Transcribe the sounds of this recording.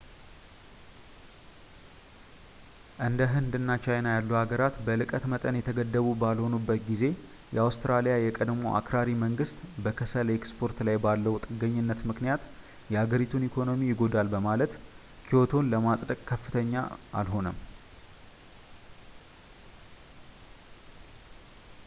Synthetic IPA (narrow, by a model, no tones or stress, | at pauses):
ʔɨnd̪əɦɨnd̪ɨnːat͡ʃajnajalːuhaɡəɾat̪bəlɨkʼət̪mət̪ʼənjɛt̪ʰəɡəd̪ːəβubalho̞nubːət̪ɡize̞ | jɛ̰awst̪ɾalijajɛkʼəd̪mo̰ʔa̰kʰɾaɾiməŋɡɨst̪bəkʰəsəlekspʰo̞ɾt̪lajbalːəwt̪ʼɨɡːəɲːɨnːət̪mɨknijat̪ | jɛhaɡəɾit̪ʰunikʰo̞no̞mijɪɡo̞d̪albəmalət̪ | kʰiot̪ʰo̞nləmasʼd̪əkʼkʰːəfːɨt̪ʰəɲːa̰a̰lɦo̞nəm